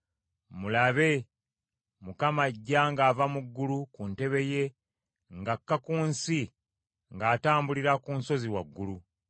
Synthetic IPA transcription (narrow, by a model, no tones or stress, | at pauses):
mulaβe̞ | mukamaɟːaŋɡaːvamuɡːulukunte̞βe̞je̞ | ŋɡakːakuːnsi | ŋɡaːtaːmbuliɾakunso̞ziwaɡːulu